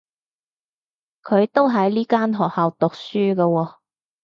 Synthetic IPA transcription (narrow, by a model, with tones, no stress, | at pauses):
kʰɵ˨˧ɥt̪o˥wɦɐ˨˥jliː˥kaː˥nɦɔː˨k̚haː˨wt̪ʊ˨k̚syː˥kɐ˧wɔː˧